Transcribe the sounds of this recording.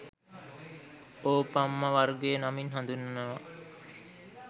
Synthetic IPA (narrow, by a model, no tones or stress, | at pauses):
oːpamːəʋaɾɡenaminɦãnd̪unːəʋa